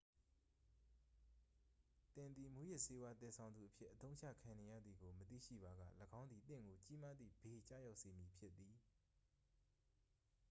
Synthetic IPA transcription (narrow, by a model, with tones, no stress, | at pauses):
t̪ɪ̃˨nd̪ði˨mu˦jɪ˦ʔse˦wa˦t̪ɪ̃˨sʰã˨ʊ̃nd̪u˨ʔəpʰjɪ˦ʔːət̪õ˦ʊ̃ɲt͡ɕʰä̰˦˨kʰã˨ne˨jä̰˦˨d̪ði˨ɡo˨mət̪ḭ˦˨ʃḭ˦˨ba˨ɡä̰˦˨ləɡã˦ʊnd̪i˨t̪ɪ̰̃˦˨ŋɡo˨t͡ɕi˦ma˦d̪ðḭ˦˨be˨t͡ɕä̰˦˨ja˦ʊʔse˨mji˨pʰjɪ˦t̪ːi˨